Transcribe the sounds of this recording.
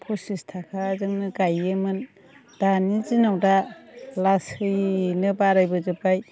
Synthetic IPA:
pʰɔsistʰakʰazɯŋnɯɡajɯmɯn | d̥anizinawdalasɯjnɯbaɾajbɯzɯpaj

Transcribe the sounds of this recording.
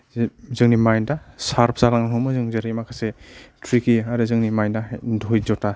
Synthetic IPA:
zɯŋnimajndasaɾpʰsaɾaŋɦɔmɯzɯŋzɯɾimakʰasetʰɾikiaɾɯzɯŋnimajndadʱɔjzɔta

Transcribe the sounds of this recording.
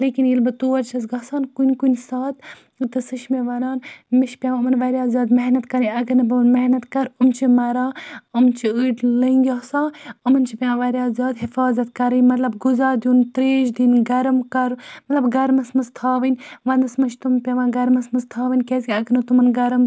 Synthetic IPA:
leːkinjilbɨt̪uːʋɐɾt͡ʃʰɐzɡaːsaːnkunʲkunʲsaːt̪ | ɨt̪ɨsɨʃmeʋɐnaːnmiʃpʲjãːɐmɐnʋɐɾjaːzʲaːd̪mɐɦnɐt̪kɐɾɐnʲɐɡɐnɐbɨmɐhnɐt̪kɐɾumt͡ʃʰimɐɾaːɨmnt͡ʃʰiəʈlɐŋɡʲaːsaːɐmɐnt͡ʃʰipʲãːʋɐɾʲaːzʲaːd̪ɦɪfaːzɐt̪kɐɾɐjmɐt̪lɐbɡuzaːd̪juːnt̪ɾeːʃd̪inɡɐɾɐmkɐɾmɐt̪lɐbɡɐɾmɐsmɐzt̪ʰaːʋɐnʲʋɐnd̪ɐsmɐʃt̪umpʲɐʋãːɡɐɾmɐsmɐzt̪ʰaːʋɐnʲkʲeːskʲiɐɡɐɾnɐt̪umɐnɡɐɾɐm

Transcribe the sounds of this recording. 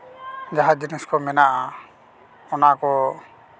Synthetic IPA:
d͡ʒaɦad͡ʒiniskɔmɛnaʔa | ɔnakɔ

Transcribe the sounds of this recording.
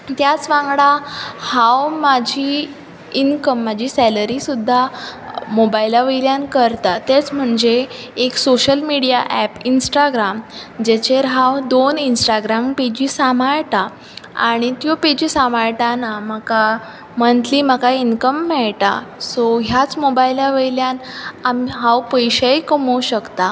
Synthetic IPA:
t̪jat͡sʋãŋɡɽahawmad͡ʑʱiː | nkəmːad͡ʑʱiːsɛləɾisud̪ʱːa | mobailaʋiɾjankəɾt̪at̪et͡sm̤əɳd͡zeː | ksoɕəlmiɽijaʔɛpinsʈaɡɾamd͡ʑet͡ɕeɾɦawd̪oninsʈaɡɾamped͡ʑiːsamaɭʈa | a̰ɽ̃it̪joped͡ʑiːsamaɭʈanaməka | mənt̪ʰliːməkainkəmːɛɭʈa̰soɦjat͡smobailaʋəjljanamiɦawpəjɕəjkəmoɕəkt̪a

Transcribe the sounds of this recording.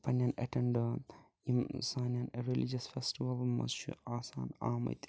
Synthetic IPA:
pʰɐnjɐnɐ̰ʈʰeɳɖ | imsaːnjɐneɾelid͡ʒɐsfesʈiʋɐlbmɐ̰sʃṵaːsa̰ːnaːmɐ̰jt̪

